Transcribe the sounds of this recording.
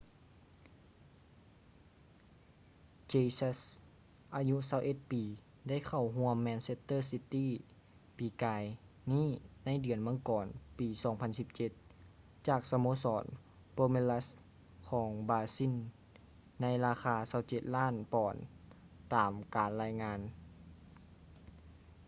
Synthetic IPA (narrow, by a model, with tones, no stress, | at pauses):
t͡ɕe˧sa˧˥s | ʔaː˧ɲu˧˥saː˧˩wʔe˧˦t̪̚piː˨˦ | da˥˩˨jkʰa˨˩wɦu˧˥əmːɛː˧nse˧t̪ːɤː˥˩˨si˧t̪iː˧˥˨ | piː˨˩˦kaː˨˧j | niː˥˨na˧˥˨jdɯ˨˩ənmɯ˧˥ə˨ŋkɔː˨˩npiː˨sɔː˨˦ŋpʰa˧nsi˧˥p̚t͡ɕe˧˦t̪̚ | t͡ɕaː˨˩k̚sa˧moː˧˥sɔː˩˦n | poː˧me˧˥la˧˥s | kʰɔː˨˩˦ŋbaː˧si˧˥˨nː | a˧˥jlaː˧xʰaː˧sa˧˥˩wt͡ɕe˧˩t̪̚laː˥˨npɔː˨˩n | t̪aː˨˩mkaː˨˩nlaː˧jŋaː˧˥n